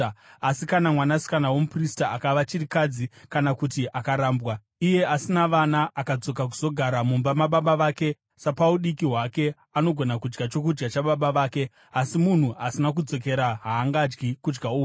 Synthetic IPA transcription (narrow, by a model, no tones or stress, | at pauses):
asikanamwanasi̥kanawomupristaakaʋat͡ʃiɾikad͡zikanakutiʔakaɾaːmbwa | ije̞ʔasinaʋanaʔːkad͡zo̞k̬ak̬u̥z̥o̞ɡʱaɾamumbamaɓaɓaʋake̞ | sapauɗikiɦwake̞ | ano̞ɡʱo̞nakud͡ʒɡat͡ʃo̞kud͡ʒɡat͡ʃaɓaɓaʋaːke̞ | asimun̤uʔasinak̬ud͡zo̞k̬e̞ɾaɦaːŋɡad͡ʒɡikud͡ʒɡauː